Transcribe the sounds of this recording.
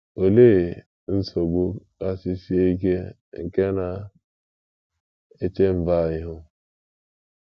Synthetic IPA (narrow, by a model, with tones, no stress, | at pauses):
o˨le˦e˨ | n̩˦so˨ɡ͡bo˦ka˦sɪ˦si˦e˦i˦ke˦ | ŋ̩˨ke˦na˨ | e˦t͡ʃe˦m̩˨va˦˨ɲɪ˦ɦʊ˦